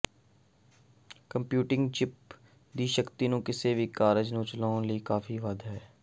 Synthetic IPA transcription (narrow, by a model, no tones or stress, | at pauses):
kə̃mpjuːʈɪ̃ŋɡt͡ʃɪp̚ | d̪iːʃəkt̪inũkɪsebʱikaːɾəd͡ʒnũt͡ʃəlaːnlikaːfiʋad̪ɦɛː